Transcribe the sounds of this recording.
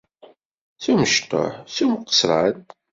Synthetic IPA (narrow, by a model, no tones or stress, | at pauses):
θuməʃt̪o̰ħθumqːə̥sɾˤa̰n